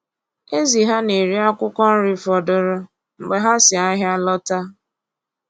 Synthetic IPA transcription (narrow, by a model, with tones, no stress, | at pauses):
e˦zi˨ɦa˦ne˨ɾi˦a˦kʷʊ˦kɔ˦n̩˦ɾi˦fɔ˨dʊ˦ɾʊ˦ | ŋ͡m̩˨ɡ͡be˨ɦa˦sɪ˨a˦ɦja˦lɔ˦ta˦